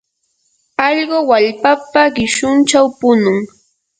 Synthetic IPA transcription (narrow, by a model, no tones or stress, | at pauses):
ɑʎɢowaʎpapaɢɪʃʊnt͡ʃawpʊnʊŋ